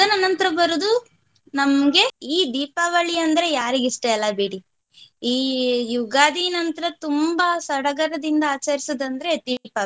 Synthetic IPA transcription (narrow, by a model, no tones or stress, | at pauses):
ɐd̪ɐnːɐnɐnt̪ɐɾɐbɐɾud̪u | nɐmɐɡe̞iːd̪iːpaːʋɐɭiɐnd̪ɐɾe̞jaːɾiɡiʂʈeɐlːɐbiːɽi | iːjuɡaːd̪inɐnt̪ɐɾɐt̪umbɐsɐɽɐɡɐɾɐd̪ind̪ɐaːt͡ʃɐɾisɐd̪ɐnd̪ɐɾe̞d̪iːpa